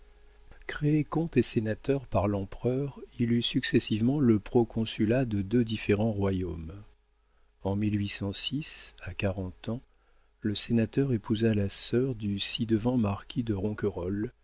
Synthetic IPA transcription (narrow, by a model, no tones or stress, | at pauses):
kχeekɔ̃t̪esenat̪œʁpaʁlɑ̃pχœːʁilysyksɛsivmɑ̃ləpχɔkʰɔ̃sylad̪əd̪ød̪ifeʁɑ̃ʁwajom | ɑ̃milɥisɑ̃sisakaʁɑ̃t̪ɑ̃ | ləsenat̪œʁepuzalasœʁd̪ysid̪əvɑ̃maʁkʲid̪əʁɔ̃kəʁɔl